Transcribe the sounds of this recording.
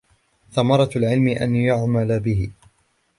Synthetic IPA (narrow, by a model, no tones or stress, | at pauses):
θamɑɾˤɑlʕɪlmɪʔa̰njʊʕmalabɪhɪ